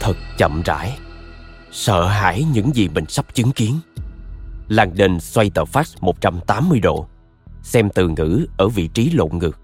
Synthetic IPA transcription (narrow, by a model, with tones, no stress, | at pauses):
t̪ʰɨ˨˩k̚t͡ɕə̰˧˨mza̰ː˧˥j | sə̰ː˧˨ɦa̰ː˧˥jɲɨ̰˧˥ŋzi˨˩ɓï˨˩ŋ̟sa˦˥wk͡p̚t͡ɕɨ˨˦ŋki˨˦ən | laː˨˩ŋɗe˨˩nswa˧jt̪ə̰ː˧˩faː˦˥t̚mo˨˩t̚t͡ɕa˧mt̪aː˨˦mːɨ˧əjɗo̰˧˨ | sɛ˧mt̪ɨ˨˩ŋɨ̰˧˥ʔəː˧˩vḭ˧˨t͡ɕi˨˦lo̰˧˨ŋɨ˨˩ək̚